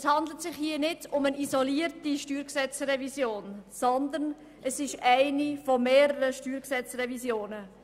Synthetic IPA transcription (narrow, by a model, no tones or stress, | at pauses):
shɑnd̪lətsɪχhiːənɪdʊmənizɔliəɾtiʃtyːɾksɛt͡srɛvisjoːnsɔnd̪ən | ʔəsɪʃæɪnifɔmeːɾəɾəʃtyːɾksɛt͡srɛvisjoːnə